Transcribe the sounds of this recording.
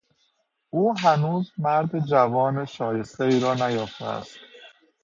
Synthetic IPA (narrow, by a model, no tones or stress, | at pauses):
ʔuːɦænuːzmæɾd̪ed͡ʒævɒːneʃɒːje̞st̪eiːɾɒːnæjɒːft̪eæ̰st̪